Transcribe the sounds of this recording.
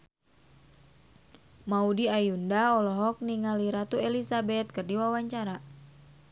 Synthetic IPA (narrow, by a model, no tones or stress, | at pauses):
maudiajundaɔlɔɦɔk̚niŋaliɾat̪uelisabɛt̪̚kɨrdiwawaɲt͡ʃaɾa